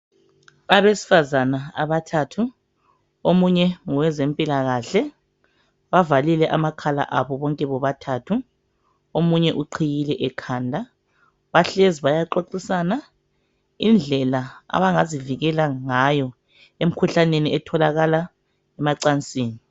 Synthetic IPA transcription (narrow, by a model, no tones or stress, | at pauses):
aβesi̥fazanaa̰βatʰatʰu | omuɲɛŋɔwɛzempʼilaɣaːɬɛ | βavalilɛʔamakʰala̰ʔaβɔβɔŋkʼɛβɔβatʰaːtʰu | omuɲɛʔuǃʰijilɛʔɛkʰaːndʱa | βaɬeziβajaǃoǀisana | ind͡ɮʱɛlaa̰βaŋaziviɣɛlaŋajɔ | em̩kʰuɬaneniɛtʰɔlaɣala | ɛmaǀant͡sʼiːni